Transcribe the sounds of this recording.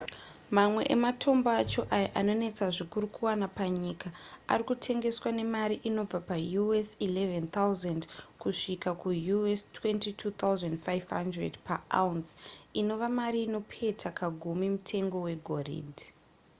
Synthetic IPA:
mamwe̞̰ʔḛmatʰo̞mbaat͡ʃo̞ʔajaʔano̞ne̞t͡saʐikuɾukuwanapaɲikaa̰rikutʰe̞ŋɡe̞swane̞maɾiʔino̞b͡vapajuesilevent̪ʰauzandkuʂikakujuestʰwe̞ntitʰut̪ʰawzandfajvɦandredpaʔa̰unsino̞ʋamaɾiːno̞pʰe̞tʰakaɡʱumimutʰe̞ŋɡo̞we̞ɡʱorḭd

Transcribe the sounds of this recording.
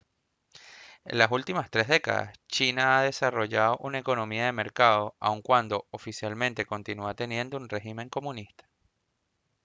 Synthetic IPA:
e̞̰nlasult̪imast̪ɾe̞ɦðe̞ka̰ða̰st͡ʃinaaðe̞saro̞ʝaðo̞ʔunae̞ko̞nõ̞miaðe̞me̞ɾkaðo̞a̰uŋkwand̪o̞ofisjalmẽ̞nt̪e̞ko̞nt̪inuat̪e̞nje̞nd̪ounre̞ximẽ̞ŋko̞mũnist̪ḁ

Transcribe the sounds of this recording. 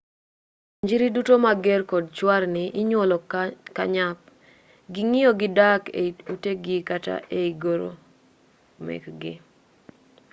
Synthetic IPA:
ɲd͡ʒiɾidutomaɡɛrkɔdt͡ʃwarnɪʔɪɲwɔlɔka̰ɲap̚ | ɡɪŋijoɡɪdakḛuteɡɪkata̰ʔeiɡoɾo̰ | mɛ̰kɡɪ̰

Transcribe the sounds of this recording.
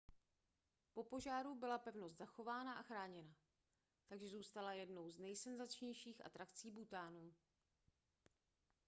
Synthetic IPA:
po̞po̞ʒaːɾubɪlapɛvnost̪z̥axo̞vaːnaʔaxɾaːɲɛna | t̪aɡʒɛzuːst̪alajɛdno̞wznɛjsɛnzat͡ʃɲɛjʃiːxʔa̰t̪ɾakt͡siːbut̪aːnuː

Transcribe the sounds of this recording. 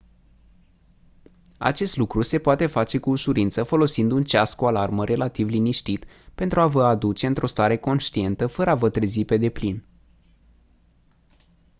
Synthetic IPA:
a̰t͡ʃe̞st̪lukɾuse̞poat̪e̞fat͡ʃe̞kuːʃuɾint̪səfo̞lo̞sind̪unt͡ʃaskualarməɾʔe̞lat̪ivliniʃt̪it̪ | pe̞nt̪ɾuavəad̪ut͡ʃe̞ɨnt̪ɾo̞st̪aɾe̞ko̞nʃt̪ie̞nt̪əfəɾəavət̪ɾe̞zipe̞d̪e̞plin

